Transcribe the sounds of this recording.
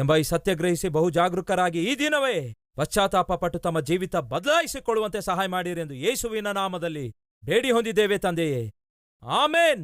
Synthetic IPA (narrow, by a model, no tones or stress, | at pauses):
embɐjisɐt̪jɐɡɾɐɦisibɐɦud͡ʒaːɡɾukɐɾaːɡiiːd̪inɐʋeː | ʋɐst͡ʃaːt̪aːpɐpɐʈːut̪ɐmːɐd͡ʒiːʋit̪ɐbɐd̪laːjisikoɭːuʋɐnt̪esɐɦaːjɐmaːɽiɾe̞nd̪ujeːsuʋinɐnaːmɐd̪ɐlːi | be̞ːɽiɦo̞nd̪id̪ːeːʋeːt̪ɐnd̪eje | aːmeːn